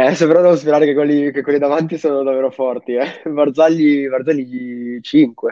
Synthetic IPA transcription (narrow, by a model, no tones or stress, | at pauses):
ɛsepeɾɔd̪ɛvospeɾaːɾekekwelːikekːwelːid̪avant̪isoːnod̪avːeːɾofɔrt̪iɛvard̪zaʎːivard̪zalːiit͡ʃiŋkwe